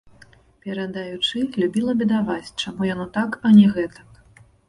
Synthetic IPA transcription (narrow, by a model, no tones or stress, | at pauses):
pʲɛɾɐd̪ajut͡ʂɨlʲubʲilˠɐbʲid̪avat͡sʲt͡ʂamujanɔt̪akɐnʲɛɣɛt̪ɐ̥k